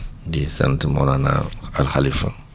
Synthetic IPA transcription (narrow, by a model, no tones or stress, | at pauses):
disa̰ntimɔlana̰alxalifa̰